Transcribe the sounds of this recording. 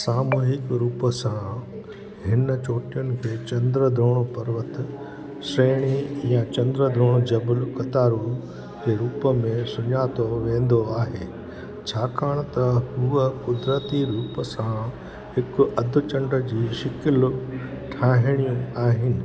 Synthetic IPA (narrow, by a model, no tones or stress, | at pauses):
saːmuːɦɪkɾuːpəsã | ɦɪnət͡ɕoːʈijʊnɪ̆kʰeːt͡ɕɐ̃nd̪ɾəd̪ʱoːɽ̃opɐɾʋət̪ | seːɽ̃ijãt͡ɕɐ̃nd̪ɾəd̪ʱɾoːɽ̃od͡ʑɐbəlkɐt̪aːɾu | d͡ʑeːɾuːpəmẽsʊɲaːt̪oʋẽːn̆d̪oaːɦeː | t͡ɕʰaːkaːɽ̃t̪ɐɦuːəkʊd̪ɾət̪iɾuːpəsã | ɦɪkʊɐd̪ʱʊ̆t͡ɕɐ̃ɳɖəd͡ʑiːʃɪkɪl | ʈʰaːɦɪɽ̃iaːɦɪnɪ̆